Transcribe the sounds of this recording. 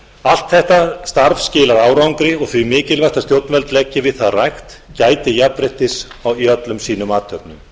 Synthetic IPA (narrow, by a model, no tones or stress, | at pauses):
al̥t̪θɛht̪ast̪aɾfscɪːlaɾaːwɾawŋkɾɪɔɣθvimɪːcɪlvajst̪ast̪jowt̪nvɛlt̪lɛcːɪvɪðθaðrajxt̪caːjt̪ɪjapɾɪht̪ɪsawjœt̪lʏmsiːnʏmaːt̪œpnʏm